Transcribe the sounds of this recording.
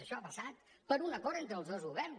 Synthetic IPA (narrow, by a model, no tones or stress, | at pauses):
əʃɔəpəsat̪̚pəɾunəkɔɾt̪ent̪ɾəlˠzðozɣuβɛrn